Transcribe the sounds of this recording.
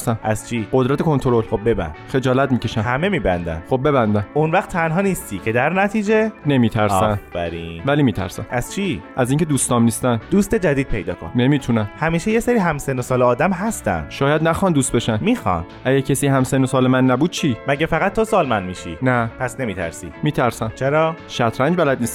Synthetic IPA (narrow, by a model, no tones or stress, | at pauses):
sæmʔæz̥t͡ʃʰiɢod̪ɾæt̪ʰekʰo̞nt̪ʰoɾolxob̚be̞bæ̰nxe̞d͡ʒɒːlæt̪miːcʰeʃæmhæme̞miːbænd̪æ̰nχob̚be̞bænd̪æmonvæχt̪ʰːænɦɒːniːst̪ʰiːcʰe̞d̪æɾnæt̪ʰiːd͡ʒene̞miːt̪ʰæɾsæmfæɾiːnvæliːmiːt̪ʰæ̰ɾsæ̰mæz̥t͡ʃʰiʔæziːŋcʰed̪uːst̪ɒːmnist̪ænd̪uːst̪e̞d͡ʒæd̪iːd̪̚pʰe̞jd̪ɒ̰ːkʰo̰nːnemiːt̪ʰunæmhæmiːʃejeseɾiːɦæmsenosɒːleɒːd̪æmɦæst̪æ̰nd̪ʃɒːjæd̪næxɒnd̪uːst̪beʃænmiːxɒ̰nʔæɟæɾcʰesihæmsenosɒːlemænːæbuːd̪̚t͡ʃʰimæɟæfæɣæt̪̚ʰːo̞sɒːlmænmiːʃḭnæpʰæsne̞miːt̪ʰæ̰ɾsḭːmiːt̪ʰæɾsæmt͡ʃʰe̞ɾɒːʃæt̪ʰɾæɲd͡ʒbælæd̪̚niːst̪